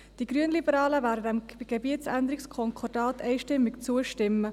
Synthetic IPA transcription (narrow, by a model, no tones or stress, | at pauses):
d̥iɡ̥ɾyənlibəɾɑːləvæːɾdədɛmɡ̥ebiətt͡sænd̪əɾɪkskʰɔŋkʰɔrd̥ɑːtɛɪʃtɪmːɪkt͡suəʃtɪmːə